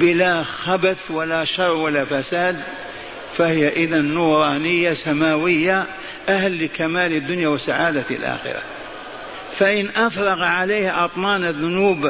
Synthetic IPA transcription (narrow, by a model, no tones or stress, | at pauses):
bɪlaxabaθwalaʃɑrˤwalːafasaːd̪ | fahɪjaʔɪðanːuːɾˤɑːnɪjːasamaːwɪjːa | ʔahlːɪkamaːlɪd̪ːʊnjawɪsaʕaːd̪a̰lʔa̰ːxɪ̰ɾa̰ | faʔɪnʔafɾˤɑɣaʕaleːhʔɑt̪ˤmɑːnaðːʊnuːb